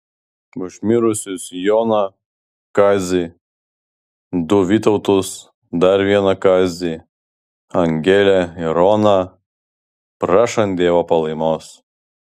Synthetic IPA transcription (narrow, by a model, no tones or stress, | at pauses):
ʊʒʲmʲɪɾʊsʲʊsjoːnɐ | kɑzʲɪ | d̪ʊʋʲit̪ɔʊt̪ʊs | d̪ɐɾʋʲiɛnɐkɑzʲi | ɐŋʲɡʲɛlʲɛɪɾɔːnɐ | pɾɑːʃɐnd̪ʲeːʋopɐlˠɐɪmoːs